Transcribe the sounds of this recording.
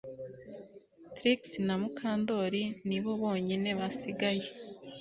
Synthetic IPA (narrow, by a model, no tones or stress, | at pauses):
tɾiksinamukʰaːndo̞ɾiniβo̞βo̞ːɲine̞βasiɡaje̞